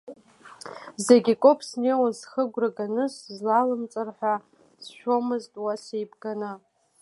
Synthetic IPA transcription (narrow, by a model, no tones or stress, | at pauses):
zeɡʲikʷʼopʰsnejwazχəɡʷraɡanɨszlalɨmt͡sʼɨrħʷᶣa | sʃᶣo̞mɨztʼwasejbɡanɨ